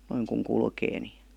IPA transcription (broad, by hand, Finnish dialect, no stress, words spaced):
noiŋ kuŋ kulkeː ni